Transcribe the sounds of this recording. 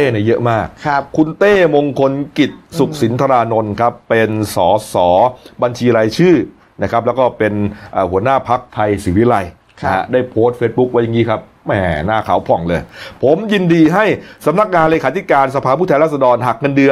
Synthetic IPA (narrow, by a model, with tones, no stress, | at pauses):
eː˥˩na˧jɤ˦˥ʔmaː˥˩kʰːu˧nt̪eː˥˩mo˧ŋkʰo˧nki˨˩t̪̚su˨˩k̚si˩˦nt̪ʰa˧ɾaː˧no˧nkʰa˦˥pːe˧nsɔː˩˦sɔː˩˦ba˧nt͡ɕʰiː˧ɾaː˧jt͡ɕʰɯː˥˩ | na˦˥kʰɾa˦˥p̬̚lɛ˦˥wkɔː˥˩pe˧nʔaː˨˩hu˩˦ɐnaː˥˩pʰa˦˥k̚t̪ʰa˧jsiː˩˦wi˦˥˩la˧j | a˦˥daː˥˩jpʰo˦˥st̪̚feː˦˥t̪̚bu˦˥k̚wa˦˥ja˨˧ŋiː˦˥kʰa˦˥p̚ | mɛː˨˧naː˥˩kʰaː˩˦wpʰɔ˨˩˦ŋlɤː˧jpʰo˩˦mji˧ndiː˧ɦa˥˩jsa˧˦mna˦˥k̚ŋaː˧nleː˧kʰaː˧˦t̪ʰi˦˥kaː˧nsa˧pʰaː˧pʰuː˥˩ɛː˧nlaː˥˩s̬a˧dɔː˧nɦa˨˩k̚ŋa˧ndɯ˧ə